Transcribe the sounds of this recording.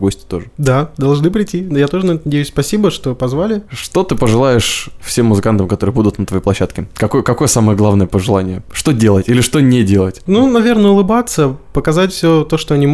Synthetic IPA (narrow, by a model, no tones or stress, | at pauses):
ɡosʲtʲɪ̥t̪o̞ʐɨd̪ad̪ɐlˠʐnɨpɾʲɪtʲinjat̪o̞ʐɨnɐɛt̪ʊnɐdʲejspɐsʲibəʂt̪o̞pɐzvalʲɪʂt̪o̞t̪ɨpəʐɨlˠajɪʂfsʲe̞mːʊzɨkant̪əmkɐt̪o̞ɾɨjəbud̪ʊt̪nət̪vɐjejplˠɐɕːat̪kʲɪkɐkojəkɐko̞jəsaməjəɡlˠavnəjəpəʐɨlˠanʲɪjəʂt̪odʲe̞lˠətʲilʲɪʂt̪onʲɪdʲelˠətʲnunɐvʲe̞rnəʊlˠɨbat̪səpəkɐzatʲfsʲot̪o̞ʂt̪o̞ɐnʲi